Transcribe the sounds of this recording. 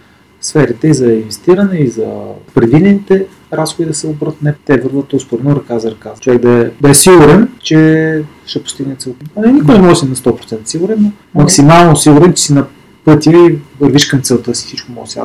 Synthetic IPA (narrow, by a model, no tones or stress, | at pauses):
sfɛɾit̪ɛizɐinvɛst̪iɾɐnɛizɐ̰pɾɛd̪vid̪ɛnit̪ɛ | ɾasxod̪id̪ɐsɛobɾət̪nɛpt̪ɛvəɾvət̪spoɾɛnoɾɐkazɐɾɐkazt͡ʃovɛkd̪ɐɛd̪ɐɛsiɡuɾɛnt͡ʃɛ | ʃtɛpʊ̥st̪iɡnɛt̪sɛlˠt̪nɛnikʊjnɛmɔʒɛsinɐst̪ɔpɾot̪sɛnt̪əsiɡʊɾɛnno | mɐksimalˠnosiɡʊɾɛnt͡ʃɛ̥sinɐ | pɤt̪ʲiəivəɾviʃkɐmt̪sɛlˠt̪ɤsi̥sit͡ʃkʊmɔʒsa̰